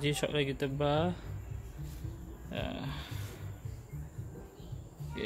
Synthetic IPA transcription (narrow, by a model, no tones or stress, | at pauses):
d͡ʒiʃɔ̰ʔlaɡit̪əbah | ja̰